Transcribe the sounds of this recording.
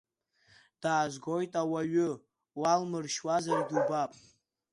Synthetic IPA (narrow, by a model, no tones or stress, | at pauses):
d̥aːzʷɡo̞jtʼawaɥʊ | walmɨrʃwazaridubapʼ